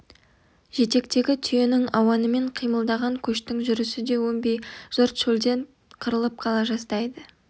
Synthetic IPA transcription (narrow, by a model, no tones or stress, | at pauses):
ʒ̥e̞t̪e̞kt̪e̞ɡʲɪt̪ʰʏje̞nɪŋɑwɑnəme̞ɴqʰijməlˠd̪ɑʁɑŋkʲʰɵʃt̪ɪŋʒʏɾɪsɪd̪e̞wɵmbejʒ̥ʊɾt̪ʃɵld̪e̞ɴ | qʰəɾəlˠəp̚qʰɑlˠɑʒɑst̪ɑjd̪ə